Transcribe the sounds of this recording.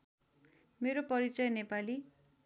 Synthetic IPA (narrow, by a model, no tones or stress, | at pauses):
meɾopʌɾit͡sʌjnepali